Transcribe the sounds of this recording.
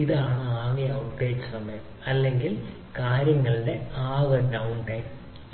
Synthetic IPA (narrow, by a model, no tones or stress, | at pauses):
iðaːɳɨaːɣijɐwʈːeːd͡ʑɨsɐmɐjɐmɐlːe̞ŋɡil | kaːɾjɐŋːɐɭɨɖe̞aːɣɐɖɐwnʈɐjm